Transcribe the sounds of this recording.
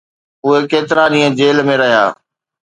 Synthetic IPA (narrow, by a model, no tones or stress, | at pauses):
ʊɦekeːt̪ɪɾaɗĩːə̃d͡ʑeːlmẽɾɐɦija̰ː